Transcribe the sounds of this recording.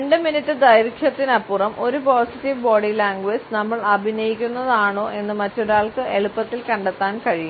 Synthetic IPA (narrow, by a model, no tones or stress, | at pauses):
eɳɖɨminitːɨd̪ɐjɾkʰjɐt̪ːinɐpːurɐmʔo̞ɾupoːsitːiʋbo̞ːɽilaːŋɡʋeːd͡ʑnɐmːɐɭɐbʱinɐjikʲːunːɐðaːɳo̞ːʔe̞nːɨmɐtːoɽaːɭkɨe̞ɭupːɐt̪ːilkɐɳɖɐt̪ːaːnkɐɻiju